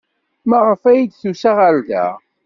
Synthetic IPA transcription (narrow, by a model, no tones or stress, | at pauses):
məʁəfæjid̪θusaʁald̪æ̰